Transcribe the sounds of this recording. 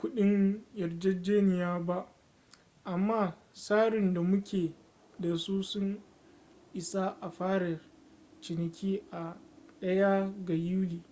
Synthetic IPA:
kʷʊ˦ɗɪ˦ŋjɐ˨rd͡ʒɐ˦d͡ʒeː˦nɪ˨jaː˦ba˦ʔ | ʔa˨mːaː˦ | saː˦ɽɪ˨nda˨mʊ˦kʲʰeː˨ | da˨su˦sʊ˦ŋ | ʔɪ˨sa˦ʔa˨ɸaː˦ɽɐ˨ | t͡ʃɪ˨nɪ˨kʲiː˦ʔa˨ɗɐ˦ja˦ɡa˨juː˦liː˨

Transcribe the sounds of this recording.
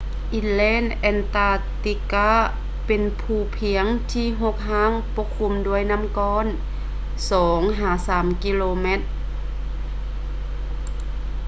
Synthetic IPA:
ʔi˧lɛː˧˥˨nʔɛ˧nt̪aː˧t̪i˧kaː˧˥ | pe˨npʰuː˧˩pʰi˨˧˦əŋt̪ʰiː˧˥˨ɦo˧˥k̚ɦaː˧˥˨ŋpo˧˥kʰːu˧˥˨mdu˧əjna˧˥˨mkɔː˧˥˨n | sɔː˩˦ŋɦaː˨˩˦saː˩˦mki˧˥˨loː˧me˧˥t̪̚

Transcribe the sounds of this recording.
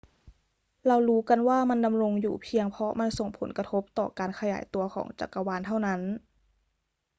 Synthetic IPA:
la˧wɾuː˦˥ka˧˨nwaː˥˩ma˧˥˨nda˨mɾo˧ŋjuː˨˩pʰi˧əŋpʰɔ˧˥ma˧˥nso˨˩ŋpʰo̰˨˩˦nka˧t̪ʰo˦˥p̚t̪ɔː˨˩kaː˨nkʰa˧ja̰ː˩˦jt̪u˨˧ɐkʰɔ̰ː˩˦ŋt͡ɕa̰˨˩kːa˧waː˧nt̪ʰa˥˩wna˦˥n

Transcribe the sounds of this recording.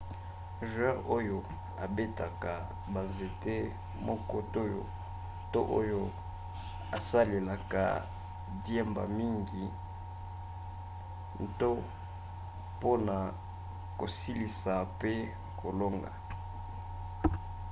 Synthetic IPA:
ʒwã˦ʔo˦jo˦ | a̰˨be˦ta˨ka˨ | ba˨nze˨te˦ | mɔ˦kɔ˦to˦jo̰˨ | to̰˦ʔo˦jo˦ | a̰˨sa˦le˨la˨ka̰˨ | djɛ˦mba̰˨mi˦ŋɡi˨ | to˦ | po˦na˨ | ko˨si˦li˨sa˨pe˦ | kʰo˨lo˦ŋɡa̰˨

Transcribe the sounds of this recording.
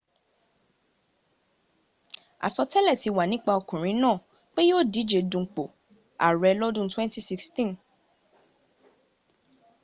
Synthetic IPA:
a̰˨sɔ˧tɛ˦lɛ˦˨ti˧wa˨nĩ˦k͡pa˧ɔ˧kũ˨ɾ̃ĩ˨˦nã˦˨ | k͡pe˦joː˦˨di˨˦d͡ʒe˨dũ˧˦k͡po˨ | a̰˨ɾɛ˧lɔ˦dũ˦twɛ̃˦n˦ti˦si˦kstĩ˦n

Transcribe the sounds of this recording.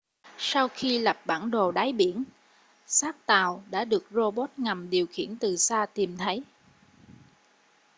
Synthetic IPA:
sa˧wxi˧la˨˩p̚ɓaː˧˩nɗo˨˩ɗaː˨˦jɓi˧˩ən | saː˦˥k̚t̪aː˨˩wɗa̰ː˧˥ɗɨ˨˩ək̚zo˧ɓo˦˥t̚ŋa˨˩mɗi˨˩əwxḭ˧˩˨ənt̪ɨ˨˩saː˧t̪i˨˩mt̪ʰə˨˦j

